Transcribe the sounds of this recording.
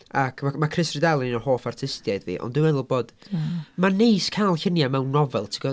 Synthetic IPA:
akʰamakʰrɪsrɪdɛlˠinnɔhoːfartʰɪstjajdvḭːʔɔ̰ndɪwɛðəlˠboːd̥manejskʰalˠɬɪnjamɛwnːɔvɛlˠtʰɪɡ̥ɔ

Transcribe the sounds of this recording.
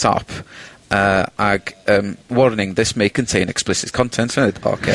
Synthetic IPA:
tʰɔ̰pʰəaɡ̥əːmwɔɹnɪ̃ŋðɪsmekʰə̃ntʰẽɪnɛksplɪsɪz̥kʰɔ̃ntʰɛ̃ntɪdo̰kʰe

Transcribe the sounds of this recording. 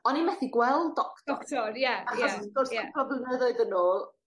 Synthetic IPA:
ɔnimɛθiɡwɛlˠdɔktɔktʰɔɾjaaχjɔsɡɔrsakɔblənəðoɨðənoːlˠ

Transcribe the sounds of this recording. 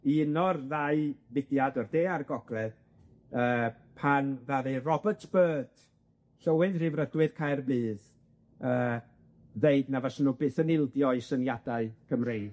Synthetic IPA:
iɪnɔrðaɨvɪdjadɔrdeːaɾɡɔɡrɛd̥ | əː | pʰanðaɾɨrɔbətʰb̥ɜːd̥ | ɬəwɨðrɪvrədwɨð̥kʰajrbɨːð | əː | ðeɨdnavasənubɨːθənɪlˠdjɔisənjadaɨkʰəmrejn

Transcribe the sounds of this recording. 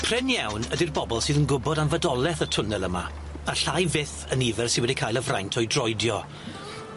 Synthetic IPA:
pʰr̥ɪnjawnədɪrbɔbɔlˠsɨːðənɡʊbɔdanvədɔlˠɛθətʰʊnɛlˠəma̰ | aɬajvɪθənivɛrsɪnwɛdikʰaːjlˠəvrajntʰɔjdrɔjdjɔ

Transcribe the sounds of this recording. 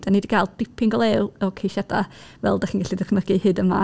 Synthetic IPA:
d̥anidiɡalˠdɪpʰɪŋɡɔlˠelˠɔkʰejʃɛdavɛlˠdaχinɡaɬidəχməɡɨhɨdəma

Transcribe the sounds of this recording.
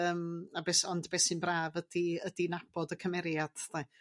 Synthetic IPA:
əːmabeːsɔndbeːsɨnbraːvəd̥iədinab̥ɔdəkʰəmɛɾjad̥θa

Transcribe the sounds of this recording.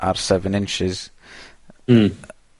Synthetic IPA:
ʔa̰rsɛvə̃nɪ̃nt͡ʃɪz̥

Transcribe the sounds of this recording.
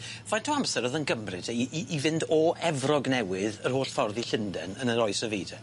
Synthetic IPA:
vajtʰuamsɛɾəðənɡəmrɨdʰeiiʔivɪndɔʔɛvrɔɡnɛwɪðərhoːɬfɔrðiɬɪndɛ̰nənəɾɔɨsəvḭːdʰɛ

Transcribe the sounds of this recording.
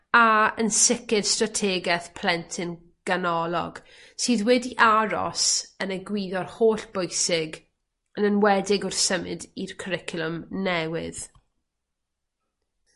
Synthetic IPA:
aənsɪkɪd̥stratʰɛːɡɛθpʰl̥ˠɛntʰɪn | ɡ̥anɔlˠɔ̰ɡ̥ | siːðwɛdiʔaɾɔ̰sənəɡwiːðɔrhoːɬb̥ojsɪɡ | ənənwɛdɪɡʊrsəmɪdirkʰəɾɪkʰʊlˠʊmnɛwɪ̰ð̥

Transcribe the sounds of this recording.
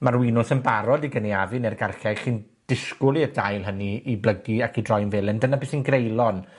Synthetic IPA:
marwɪnʊsənbaɾɔdiɡəniavɨnɛrɡarɬɛ̥ɬin | d̥ɪskʊlˠiədajlˠɦəniːblˠəɡiakʰidrɔjnvɛlˠɪndənabɨsinɡrejlˠɔn

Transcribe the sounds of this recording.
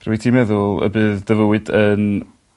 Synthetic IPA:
rwɨtʰimɛðʊlˠə̰bɨːðdəvəwɨdən

